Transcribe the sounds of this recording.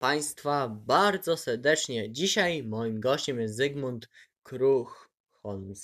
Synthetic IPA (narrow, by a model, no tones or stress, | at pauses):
paj̃st̪fabaɾd̪zɔsɛɾd̪ɛt͡ʂɲɛd͡ʑiɕajmɔjimɡɔɕt͡ɕɛmjɛst̪zɛɡmunt̪ | kɾux | xɔlms